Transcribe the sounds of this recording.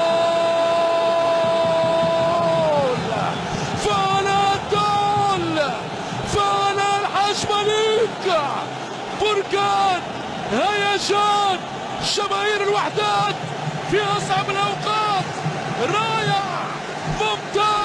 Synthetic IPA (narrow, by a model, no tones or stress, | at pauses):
l | fanad̪ːal | faʔanalħaːʃmaliːk | bʊɾˤkaːn | hajaʃaːn | ʃamaːʔiːɾɪlwaħd̪aːt̪̚ | fiʔasˤʕabɪlʔawqɑːt̪ | ɾˤɑːjaʕ | mʊmt̪a